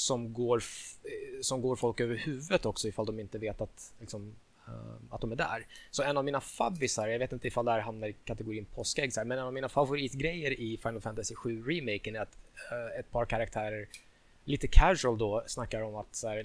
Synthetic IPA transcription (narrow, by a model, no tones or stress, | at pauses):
sɔmɡoːɾ | sɔmɡoːɾfɔlkøːvəɾhʉ̟ːvət̪ɔksɔɪfald̪ɔmɪnt̪əveːt̪at̪lɪksɔm | at̪d̪ɔmæɖæ̰ɾsɔɛnːavmiːnafa̰bːɪsaɾjɑɡveːt̪ɪnt̪əɪfald̪ɛhæːɾɦamnaɾɪkʰat̪ɛɡʊɾiːənpʰɔskɛɡsæːɾmɛnɛnavmiːnafavʊɾiːt̪ɡɾɛjːəɾɪfajnəlfænt̪asɪɧʉ̟ːɾɪmɛɪkənæɾat̪ɛt̪̚pʰɑːɾkʰaɾak̚t̪ʰæːɾəɾ | liːt̪əkʰæʃʉəld̪ɔsnakːaɾɔmat̪sæːɾ